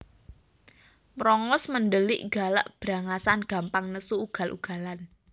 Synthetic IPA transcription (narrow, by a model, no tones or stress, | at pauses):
mɾɔŋɔsməndəlɪʔɡa̤la̰ʔb̥ɾa̤ŋasanɡ̥ä̤mpaŋnəsuːɡ̥a̤lʔṵɡ̥a̤lan